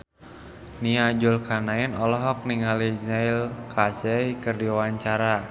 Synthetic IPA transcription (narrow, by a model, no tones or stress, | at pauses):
niad͡ʒulkʰanaɛnɔlɔɦɔk̚niŋaliɲailkʰasɛikərdiawaɲt͡ʃaɾa